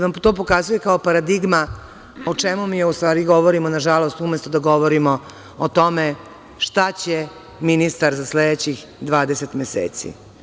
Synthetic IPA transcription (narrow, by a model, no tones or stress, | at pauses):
amt̪oːp̬o̞kazuje̞kaopaɾad̪iɡma | ot͡ʂemumiːjust̪ʋaːɾiɡo̞ʋoɾimonaʒalˠo̞st̪umest̪od̪aɡo̞ʋoɾimo | ot̪o̞me | ʃt̪at͡ɕe | minist̪aɾzasled̪et͡ɕix | d̪ʋaːd̪eset̪mesḛːt̪sḭ